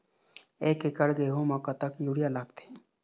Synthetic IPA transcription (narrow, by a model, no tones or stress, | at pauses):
eːkekəɽɡeɦomãkat̪akjuɽijalaːɡt̪e̥